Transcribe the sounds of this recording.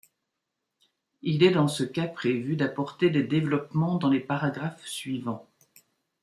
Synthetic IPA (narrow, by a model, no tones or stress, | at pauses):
ilɛd̪ɑ̃səkapχevyd̪apɔʁt̪ed̪ed̪evlɔpmɑ̃d̪ɑ̃lepaʁaɡʁafsɥivɑ̃